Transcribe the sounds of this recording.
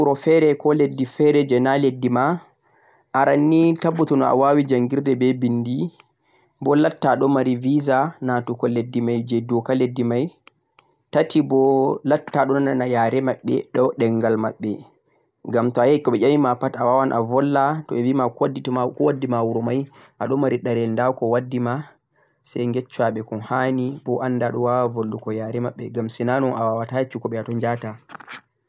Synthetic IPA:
uɾɔfɛɾɛkɔledːifɛɾɛd͡ʒɛnaledːima | ʔaɾanːitabːutɔnɔa̰wawid͡ʒaŋɡiɾdɛbɛbindi | bɔlatːaɗɔmaɾivizanatukɔledːimajd͡ʒɛdɔkaledːimaj | tatibɔlatːaɗɔnɔnanajaɾɛmaɓːɛ̰ɗɔɗɛŋɡalmaɓːɛ | ŋɡamtɔajaikːɔɓɛʔamimapatawawanʔa̰vɔlːatɔɛvimakadːitɔmakɔwadːimawuɾɔmaj | ʔaɗɔmaɾiɗaɾɛlndawkɔwadːima | sɛjŋɡɛt͡ʃːaɓɛkɔnhanibɔʔanːdaɗɔwawavolːukɔjaɾɛmaɓːɛɡamsɛnanɔnʔawawatat͡ʃːukɔɓɛjatɔɲd͡ʒata

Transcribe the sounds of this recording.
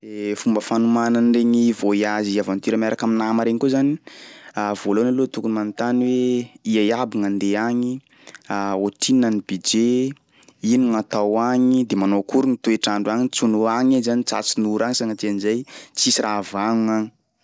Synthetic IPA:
efumbəfanumananreŋivoiaziavant̪iɾəmaɾakaminamaɾeŋkuzaniavolonalot̪ukunimant̪anweiajabiŋand̪eaŋi | aoʈ͡ʂinanibid͡ʒe | iniŋat̪awaŋid̪emanokuɾunit̪ueʈ͡ʂaɳɖ͡ʐuaŋit͡sunuaŋizanit͡sa̰t͡sinuɾaŋisaŋət̪ianizajt͡sisirʔavaŋuŋaŋi̥

